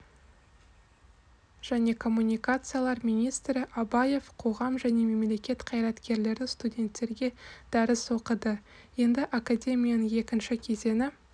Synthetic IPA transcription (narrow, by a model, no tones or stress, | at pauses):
ʒ̥æne̞kʰo̞mːunʲijkat̪sɨjalˠɑɾmʲinʲijst̪ɾɪʔabɑje̞vqʰo̞ʁɑmʒæne̞me̞mle̞kʲe̞t̪qʰɑjɾɑt̪kʲʰe̞ɾle̞ɾd̪ɪst̪udʲe̞nt̪ːe̞ɾɡʲe̞d̪̥æɾɪso̞qəd̪ə | je̞nd̪ɪʔakadʲe̞mʲijanəɴe̞kʲɪnʃɪkʲʰe̞ze̞nɪ